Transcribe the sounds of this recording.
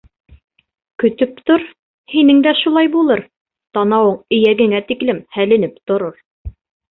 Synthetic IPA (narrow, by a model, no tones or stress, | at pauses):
kɵ̆t̪ɵp̚t̪oɾ | hinɘŋd̪æʃulˠɑjbulˠɤɾ | t̪ɑnɑwɤɴɘ̆jæɡɘ̆ŋæt̪iklɘmhælɘ̆nɘpt̪ŏɾoɾ